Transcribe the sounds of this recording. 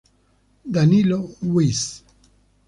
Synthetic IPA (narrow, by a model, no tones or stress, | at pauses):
d̪anilowis